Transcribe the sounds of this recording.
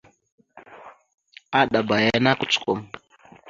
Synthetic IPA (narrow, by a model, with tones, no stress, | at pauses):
a˦ɗa˨ba˨ja˦na˦ku̥˦˨t͡su̥˨ko˨m